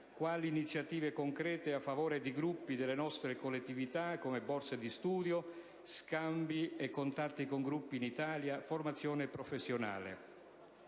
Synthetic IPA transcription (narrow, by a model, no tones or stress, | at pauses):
kwaːliːnit̪sːjat̪iːvekoŋkɾɛːt̪eafːavɔːɾed̪iɡɾupːid̪elːenɔst̪ɾekolːet̪ːivit̪akːomebɔrsed̪ist̪uːd̪jo | skambiekːont̪at̪ːikoŋɡɾupːiːnit̪aːljaformat̪sːjɔːnepɾɔfesːjona̰ːlḛ